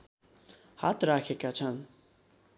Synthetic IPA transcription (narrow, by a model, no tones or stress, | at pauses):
hat̪ɾakʰɛkat͡ʃʰan